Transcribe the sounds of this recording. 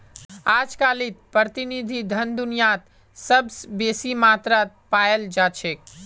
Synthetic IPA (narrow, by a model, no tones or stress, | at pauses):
ad͡ʒkalit̪̚pɾət̪inid̪ʱid̪ʱənd̪unijat̪ | səbsbesimat̪ɾat̪̚pajəld͡ʒat͡ʃʰek̚